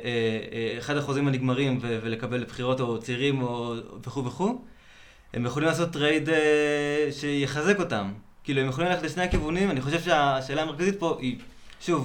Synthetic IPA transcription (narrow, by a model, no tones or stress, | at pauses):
eːχadaχozimaniɡmaʁimvevele̞kabe̞lpχiʁo̞to̞t͡seiʁimoveχuveχu | e̞̰mjeχolimlaːso̞tːʁejdeʃe̞jeχaze̞ko̞tam | kiːlue̞mjeχolimleetleʃnehakivunimaniχo̞ʃevʃeaʃe̞ːlaːmekazit̚po̞ʔiʃuv